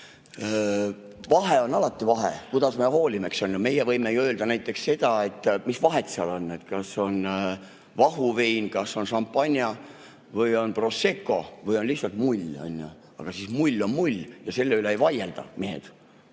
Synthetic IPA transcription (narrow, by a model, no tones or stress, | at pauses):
vɑɦe̞o̞nɑlɑt̪ːˑivɑɦḛkud̪̥ɑsmeɦo̞ːlimeksɑnʲjume̞jevɤjmejuø̞ːld̪̥ɑnæjt̪ːˑe̞ksse̞d̪̥ɑe̞t̪ːˑmisvɑɦe̞t̪seɑlo̞nːe̞t̪kɑso̞n | vɑɦuvejnkɑsːo̞nʃɑmpːˑɑnʲjɑ | vɤjo̞npro̞se̞kːˑo̞̰vɤjo̞nlʲihsːɑlt̪mulʲːɑ̰nʲːjṵ | ɑ̰ɡ̥ɑsiːsmulʲːo̞nmulʲːjɑse̞lːeyleːjvɑjeld̪̥ɑ̰meɦḛd̪̥